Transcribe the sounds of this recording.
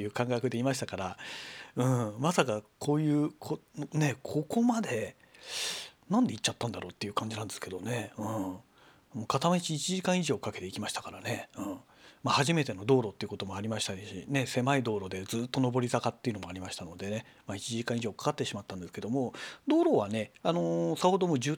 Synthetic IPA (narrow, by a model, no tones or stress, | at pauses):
ejɯːkãŋkakɯ̟d̪e̞imaɕi̥t̪akaɾaɯ̟̃ːmasakakʰo̞ːjɯ̟ːkʰone̞kʰo̞ko̞mad̪e̞ | nãnd̪e̞it͡ɕt͡ɕːat̪ːãnd̪aɾo̞ːt̪ːe̞jɯkãɲ̟d͡ʑinãnd̪esɨ̥ke̞d̪o̞ne̞ɯ̟̃ | mo̞ːkat̪amait͡ɕiːt͡ɕiʑikãɰ̃iʑo̞ːkake̞t̪e̞ikʲimaɕi̥t̪akaɾane̞ɯ̟̃ːɴ | mahaʑime̞t̪e̞no̞d̪o̞ːɾo̞ːt̪ːeiɯ̟ko̞t̪o̞mo̞aɾʲimaɕi̥t̪aɕḭne̞se̞maid̪o̞ːɾo̞d̪e̞d͡zɨːt̪ːo̞no̞bo̞ɾʲisakat̪ːeiɯ̟no̞mo̞aɾʲimaɕi̥t̪ano̞d̪e̞ne̞mait͡ɕiʑikãɰ̃iʑo̞ːkḁkat̪ːe̞ɕimat̪ːãnd̪e̞sɨ̥ke̞d̪o̞mo̞d̪o̞ːɾo̞ːβane̞ano̞saho̞d̪o̞moːʑɨː